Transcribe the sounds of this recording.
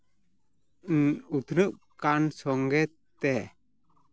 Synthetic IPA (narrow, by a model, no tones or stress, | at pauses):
ut̪ʰnəʔkansɔŋɡɛt̪ː | ɛ